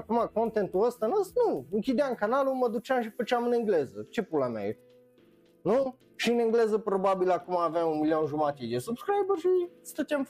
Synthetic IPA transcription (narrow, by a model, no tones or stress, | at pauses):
akumako̞nt̪ent̪uəst̪anəsnuɨŋkʲid̪eamkanaluməd̪ut͡ʃeamʃ̬ipət͡ʃeamɨnɨŋɡle̞zət͡ʃe̞pɾoblema̰je | nu | ʃiɨnɨŋɡle̞zəpɾobabilakumaːvamunmilio̞nʒumat̪ed̪esubskɾajbərʃist̪ət̪ʲam